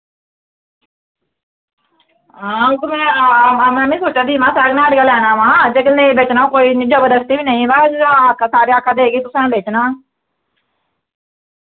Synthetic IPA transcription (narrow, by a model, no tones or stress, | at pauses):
ãːt̪ʊmɛ̃amɛ̃mĩːsoːt͡ʃad̪iːmãːsaːknaːəɖɡaːlɛːnaːʋãːd͡ʒeːkənẽbeːt͡ʃnaːõkoːiːnɪd͡ʒəbəd̪əst̪iːbiːnaːĩːbaːakʰasaːɾeːaːkʰːaːd̪eːɡiːt̪ʊsãːbeːt͡ʃnaː